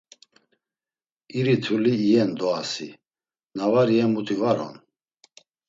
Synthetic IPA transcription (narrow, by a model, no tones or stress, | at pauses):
iɾit̪ʰuliːjɛnd̪ɔasḭ | navaɾiɛmut̪ʰivaɾɔ̰n